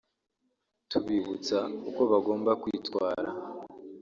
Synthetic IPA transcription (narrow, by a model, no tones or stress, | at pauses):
tuβiβut͡sauko̞βaɡo̞ːmbakwiːtwaːɾa